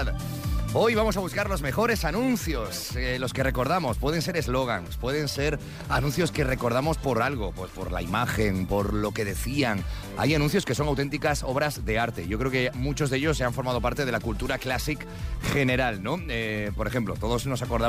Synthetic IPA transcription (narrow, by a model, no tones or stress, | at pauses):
o̞jβamo̞s̬aβ̞uskaɾlo̞zme̞xo̞ɾe̞sanũnθjo̞slo̞ske̞re̞ko̞ɾð̞amo̞spwe̞ð̞e̞ns̬e̞ɾezlo̞ɣ̞anspwe̞ð̞e̞nse̞ɾ | anũn̟θjo̞ske̞re̞ko̞ɾðamo̞spo̞ɾalɣo̞pwespo̞̰ɾla̰imaxe̞npo̞ɾlo̞ke̞ðe̞θiaŋ | a̰janũnθjo̞ske̞so̞ŋawt̪e̞nt̪ikaso̞βɾazðe̞aɾt̪e̞̰ʝokɾe̞o̞kemut͡ʃo̞zðeʎo̞seaɱfo̞ɾmað̞o̞paɾt̪e̞ð̞e̞lakult̪uɾaklasik | xe̞ne̞ɾalno̞epo̞ɾexe̞mplo̞̰t̪o̞ð̞ozno̞sako̞ɾða